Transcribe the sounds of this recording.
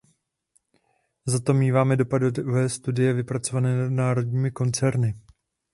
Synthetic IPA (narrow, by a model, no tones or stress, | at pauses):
zat̪o̞mɲiːvaːmɛdo̞padvɛːst̪udɪjɛvɪpɾat͡so̞vanɛːnadnaːɾo̞dɲiːmɪko̞nt͡sɛɾnɪ